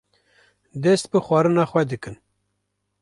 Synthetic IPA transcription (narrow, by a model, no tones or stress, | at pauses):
d̪ɛst̪̚bɨxwɑːɾɨnɑːxwɛd̪ɨkɨn